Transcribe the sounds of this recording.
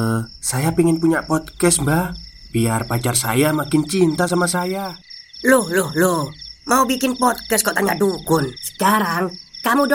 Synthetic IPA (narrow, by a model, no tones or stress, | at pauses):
sajapiŋɪnpuɲapɔd̪̚kɛsbahbiarpat͡ʃarsa̰jamakɪnt͡ʃint̪as̬amasajalʊhlʊhlohmaubikɪnpɔt̪̚kɛskɔʔt̪aɲaʔdukʊnsə̥kaɾaŋkamud